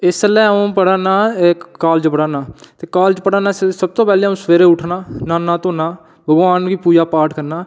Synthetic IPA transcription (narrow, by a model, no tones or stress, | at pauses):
ɪslɛːũːpəɽaːnaːkaːld͡ʒpəɽaːnaːt̪eːkaːld͡ʒpəɽaːnãːssəb̚t̪õːpɛːleːũːsʋeːɾeːʊʈʰnaːnaːnãːt̪õːnaː | bʱəɡʋaːnɡiːpuːd͡ʒaːpaːɾʈʰkəɾnaː